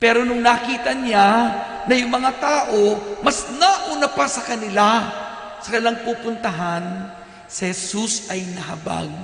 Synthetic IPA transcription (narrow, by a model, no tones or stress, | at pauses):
pɛːɾonʊŋnakiːt̪ɐɲa | nɐjʊŋmɐŋat̪aːʔomɐsnaʔuːnapasɐkɐnɪla | sɐkɐnɪlaŋpuːpʊnt̪ɐɦan | sɪhɛsusʔɐjnɐɦaba̰ɡ̚